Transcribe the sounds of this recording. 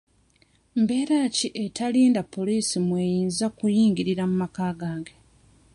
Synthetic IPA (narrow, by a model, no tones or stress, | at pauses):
mbe̞ːɾaciʔetaliːndapʰːo̞liːsimwejiːnzakujiːŋɡiɾiɾamumakaːɡaːŋɡe